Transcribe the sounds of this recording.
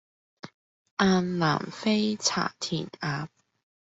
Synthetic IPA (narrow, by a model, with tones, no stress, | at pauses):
ʔaː˧nla̰ː˨˩mfe˥jt͡sʰa̰ː˨˩t̪ʰiː˨˩naː˨˥p̚